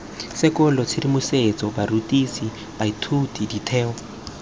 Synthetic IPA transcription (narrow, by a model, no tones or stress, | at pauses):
sɪkʊlɔt͡sʰɪdimʊset͡sɔbarutʼisi | b̥aitʰutiditʰɛːɔ